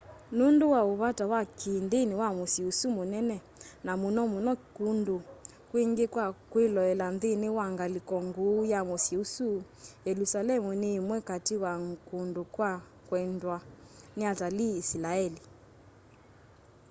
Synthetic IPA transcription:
nundowaoβatawakʰindenewamosiusumonɛnɛ | namonɔmonɔkundo | kweŋɡekwakwelɔɛlanðenewaŋɡalikɔŋɡojamosiusu | jɛlusalɛmunemwɛkatiwaŋkundokwa | kwɛndwaneataliːsilaɛli

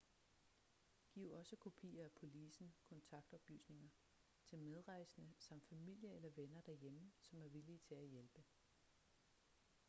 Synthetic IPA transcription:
ɡ̥ḭʊ̰ɒ̽səkʰo̝pʰḭːɐæpʰo̝lisn̩kʰɒ̽nt͡sʰɑ̈ɡ̥d̥ɒ̽b̥ly̰ːsne̝ŋɐ | t͡sʰe̝lmeð̞ˠʁɑ̈ɪsənəsɑ̈m̰d̥fæmil̰jɐelɐʋenɐd̥æɐjeməsɒ̽mæɐʋiliːt͡sʰe̝æjelb̥ə

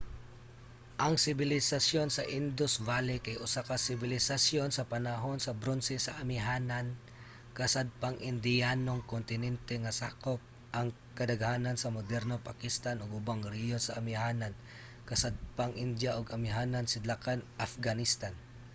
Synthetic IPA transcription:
ʔɐŋsɪbɪlɪsasjonsɐʔɪnd̪ʊsvalɪkajʔʊsakasɪbɪlɪsasjonsɐpanaɦonsɐbɾonsɛsaʔamɪɦaːnan | kɐsad̪̚paŋʔɪnd̪ɪjanoŋkont̪ɪnɛnt̪ɛŋasaːkop̚ | ʔɐŋ | kɐd̪aɡhaːnansɐmod̪ɛɾnopakɪst̪anʊɡʊbaŋɾɛjonsaʔamɪɦaːnan | kɐsad̪̚paŋʔɪnd̪jaʔʊɡɐmɪɦaːnansɪd̪akanʔafɡanɪst̪an

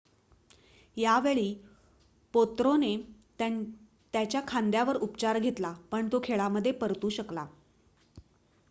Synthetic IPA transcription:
jaʋeɭiː | pot̪ɾone | t̪jat͡ɕjakʰand̪jaʋəɾupt͡ɕaɾɡʱet̪lapəɳt̪okʰeɭaməd̪ʱːjepəɾt̪uːɕəkla

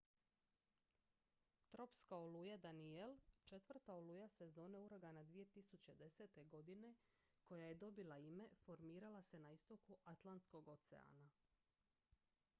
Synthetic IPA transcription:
t̪ɾo̞pskaolujad̪anielt͡ʃe̞t̪ʋr̩t̪aoluːjase̞zo̞ːne̞uɾoɡanad̪ʋije̞t̪isut͡ɕe̞d̪e̞seːt̪e̞ɡo̞d̪ine̞ | ko̞jaje̞d̪o̞bilˠaime̞fo̞ɾmiːɾalase̞naist̪o̞kuʔat̪lˠant̪sko̞ɡo̞t̪sḛa̰ːna

